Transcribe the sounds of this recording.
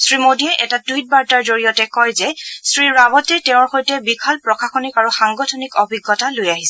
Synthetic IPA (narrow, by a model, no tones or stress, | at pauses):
sɹimodiɛʔɛtatujt̚baɹtaɹzoɹijɔtɛkɔjzɛsɹiɹabɔtɛtɛʊ̃ɹxojtɛbikʰalpɹɔkʰaxɔnikaɹuxaŋɡɔtʰɔnikɔbʱiɡːɔtalojaɦisɛ